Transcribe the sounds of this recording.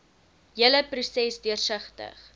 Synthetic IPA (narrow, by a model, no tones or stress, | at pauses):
jələprusɛsdiərsəχtə̰χ